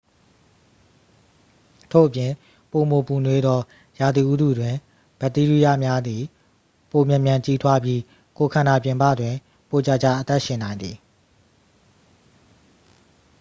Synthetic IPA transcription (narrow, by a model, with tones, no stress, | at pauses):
tʰo̰˦˨ʔəpjɪ̃˨ | po˨mo˨pu˨nwe˨d̪ɔ˦ | ja˨d̪i˨ʔu˦dṵ˦˨dwɪ̃˨ | b̥ɛ˦˨t̪i˦ɹi˦ja̰˦˨mja˦d̪i˨ | po˨mjã˨mjã˨ɲt͡ɕi˦tʰwa˦bji˦ | ko˨kʰã˨na˨pjɪ̃˨mpä̰˦˨dwɪ̃˨ | po˨t͡ɕa˨t͡ɕa̰˦˨ʔət̪ɛ˦ʔʃɪ̃˨nã˨ɪ̃nd̪ði˨